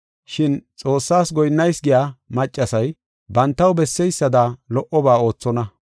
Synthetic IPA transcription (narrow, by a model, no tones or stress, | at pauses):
ʃɪnt͡sʼo̞ːsːaːsɡɔjnːɐjsɡɪjaːmɐt͡ʃʼːɐsɐj | bɐnt̪ːɐwbɛsːɛjsːɐd̪alɔʔɔbaːo̞ːt͡sːɔnɐ